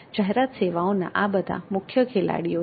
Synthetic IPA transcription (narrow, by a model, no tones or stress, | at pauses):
d͡ʒaɦɛɾat̪seʋaõna̰ʔabəd̪ʱa̰mʊkʰjəkʰela̰ɽijo